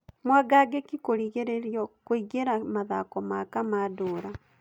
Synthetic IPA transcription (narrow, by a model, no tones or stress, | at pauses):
mwaɡaɡekikoɾiɣeɾeɾjokwiɡeɾamaðakomakamaduɾa